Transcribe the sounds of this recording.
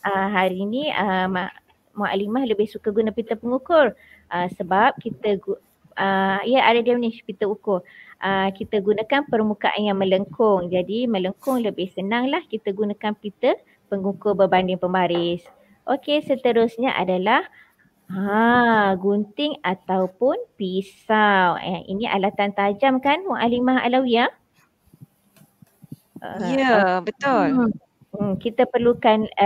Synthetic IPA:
ʔəɦaɾinĩəma | maʔa̰limahləbɪhsukaɡunapit̪əpəŋukʊr | ʔəsəbap̚kit̪əɡu | əiaʔadadiamnĩspit̪əukʊrʔəkit̪əɡunakanpərmukaʔa̰njaŋmə̃ləŋkʊŋd͡ʒadimə̃ləŋkʊŋləbɪhsənaŋlahkit̪əɡunãkanpit̪ə | pəŋukʊrbərbandɪŋpəmbaɾɪs | ʔokesət̪əɾʊsɲaʔa̰dalah | a | ɡunt̪ɪŋat̪awpʊnpisawə̰ʔḭniʔa̰lat̪ant̪ad͡ʒamkanwaʔalimaɦa̰lawia | ʔə̰jəbət̪ʊl̩ | kit̪əpərlukan

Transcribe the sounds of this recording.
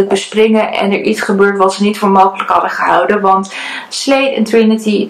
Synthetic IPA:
ək̚bəsprɪŋəʔɛ̰nɛ̰ɹʔitsχəbøːɹtʋɑtsənitfʊːɹmowχələkɦɑdəχəɦʌwdənʋɑnt | slejtɪ̰ntɹɪnəti

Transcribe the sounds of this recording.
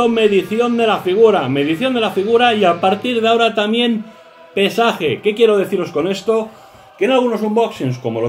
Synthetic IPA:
ome̞ðiθjo̞nd̪e̞lafiɣuɾame̞ðiθjo̞nd̪e̞lafiɣ̞uɾaiapaɾt̪iɾð̞eaoɾat̪amje̞m | pe̞saxe̞̰ke̞kje̞ɾo̞ð̞e̞θiɾo̞sko̞ne̞st̪o̞ | kenalɣuno̞s̬umboksinsko̞mo̞̰o

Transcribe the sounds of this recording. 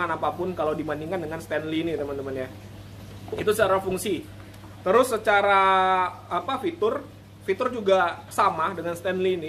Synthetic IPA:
anapapʊnkalawdimandiŋkandəŋanst̪ɛnlinɪt̪əmant̪əmənɲa | it̪usət͡ʃaɾafuŋsi | t̪əɾʊsːət͡ʃaɾaː | pafit̪ʊr | fit̪ʊrd͡ʒuɡasamadəŋanst̪ɛnlinɪ

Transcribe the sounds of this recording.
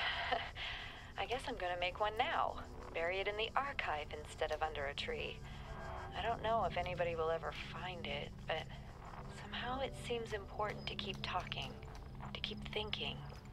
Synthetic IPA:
ʔaɪɡɛsãɪ̃mɡʌñɨmeɪkwʌ̃nːaʊ | b̥ɛɹiɨɾɨ̃nðiʔɑɹkʰaɪvɨ̃nstɛɾʌvʌ̃ndə˞ɨtʰɹ̥ḭ | aɪɾõʊ̃nːoʊəfɛñibɑɾiwəlˠɛvə˞fãɪ̃ndɪt̚b̥ʌt̚ | sʌ̃mhaʊɨtsĩmzɨ̃mpʰɔɹʔn̩tʰɨkʰip̚tʰɔkɪ̰̃ŋ | tʰɨ̥kʰipθɪ̃ŋkʰɪ̰̃ŋ

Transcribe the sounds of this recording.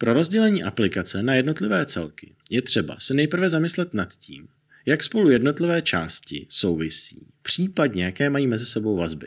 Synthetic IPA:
pɾo̞ɾo̞zɟɛlɛɲiːʔaplɪkat͡sɛnajɛdno̞t̪lɪvɛːt͡sɛ̰lkɪ̥jɛt̪r̥ɛba̰sɛnɛjpr̩vɛzamɪslɛt̪nat̪ciːm | jakspo̞lujɛdno̞t̪lɪvɛːt͡ʃa̰ːscɪ̰so̞wvɪsḭːpr̝̥iːpadɲɛjakɛːmajiːmɛzɪsɛbo̞wvazbɪ̰

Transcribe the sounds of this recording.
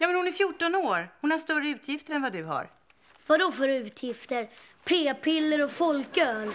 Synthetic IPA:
jɑːmɛnhʊnæɾfjuʈːɔnoːɾhʊnhaʂt̪œrːəʉ̟ːt̪ʰjɪft̪əɾɛnvad̪ɵɦa̰ɾ | vad̪ɔfœɾʉ̟ːt̪ʰjɪft̪əɾpʰeːpʰɪlːəɾɔfɔlkøːl

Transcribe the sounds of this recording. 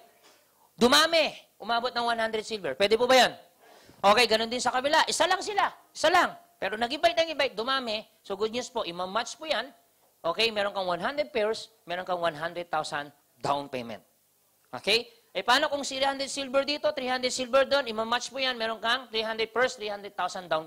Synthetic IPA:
d̪ʊmaːmɛʔʊmaːbot̪̚nɐŋwanhand̪ɾɛd̪̚silvɛɹpwɛːd̪ɛpubɐjan | ʔokɛjɡɐno̞nd̪ɪnsɐkɐbɪlaʔɪsalɐŋsɪlaʔɪsalaŋ | pɛːɾonɐɡɪbajt̪̚nɐŋɪbajt̪̚d̪ʊmaːmɛ | soɡʊd̪̚ɲuspo̞ʔɪmɐmːat͡ʃpujan | ʔoːkɛjmɛːɾonkɐŋwanɦand̪ɾɛd̪̚pɛɹs | mɛːɾonkɐŋwanɦand̪ɾɛd̪̚t̪awsɐn | d̪awnpɛjmɛ̰̃nt̪̚ | ʔo̰kɛj | ʔɐpaːno̞kʊŋsiɾihand̪ɾɛd̪silbɛɾd̪iːt̪o̞t̪ɾiːhand̪ɾɛd̪silbɛɹd̪o̞nʔɪmamːat͡ʃpujanmɛːɾonkɐŋt̪ɾiːhand̪ɾɛd̪̚pɛɹst̪ɾihand̪ɾɛd̪̚t̪awsɐnd̪awn

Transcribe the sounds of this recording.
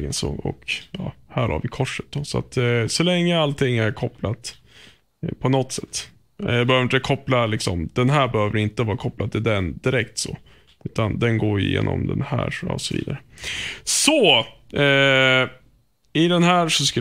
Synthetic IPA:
ɡənsɔ̰ɔ̰kjɑːhæːɾha̰ɾvɪkʰɔʂːət̪̚d̪ɔsɔa̰t̪sɔlɛŋːəalt̪ʰɪŋːæɾkʰɔplat̪ | pʰɔnɔt̪ːsɛt̪ː | ɑbɛhøːvɪt̪əkʰɔplalɪksɔmd̪̥ɛnɦæːɾbɛhøːvəɾɪnt̪əvɑːɾakʰɔplad̪̚t̪ʰɪld̪ɛnd̪ɪɾɛkt̪sɔ̰ | ʉ̟ːt̪and̪ɛnɡoːj̰jḛːnɔ̰md̪ɛ̰nhæːʂɑsɔvḭːd̪aɾə | sɔɛ | ɪd̪ɛnɦæːɾʂɔskɵ

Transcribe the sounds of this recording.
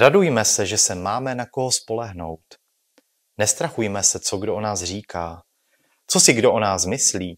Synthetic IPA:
ɾadujmɛsɛʒɛsɛmaːmɛnako̞ɦospo̞lɛɦno̞̰wt̪ | nɛst̪ɾaxujmɛsɛt͡soɡdoʔonaːsr̝iːkaː | t͡so̞sɪɡdo̞ʔonaːsmɪsliː

